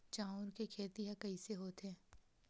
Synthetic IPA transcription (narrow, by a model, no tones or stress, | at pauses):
t͡ʃaːʊnkekʰeːt̪iɦãkɐiseɦoːt̪ɦɛ̃ː